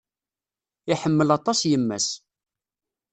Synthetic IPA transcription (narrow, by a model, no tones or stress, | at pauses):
ɪħəmːəlɑt̪ˤɑsjəmːæ̰s